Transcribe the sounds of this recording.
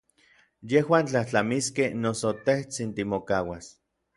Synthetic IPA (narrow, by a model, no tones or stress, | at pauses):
jehwaːnt͡ɬaht͡ɬamiskehnosot̪eht͡sint̪imokawas